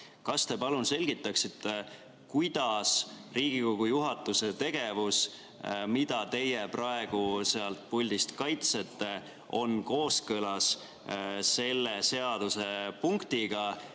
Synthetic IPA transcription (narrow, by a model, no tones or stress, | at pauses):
kɑst̪e̞pɑlunse̞lʲɡ̥it̪ˑːɑksit̪ːe | kujd̪̥ɑsriːɡ̥iko̞ɡ̥ujuɦɑt̪ːˑuse̞t̪e̞ɡ̥e̞vus | mid̪̥ɑt̪e̞jeprɑe̞ɡ̥use̞ɑlt̪̚pulʲd̪̥ist̪kɑjt̪se̞t̪ːe̞ | o̞nko̞ːskɤlɑs | se̞lːese̞ɑd̪̥use̞puŋkt̪iɡ̥ɑ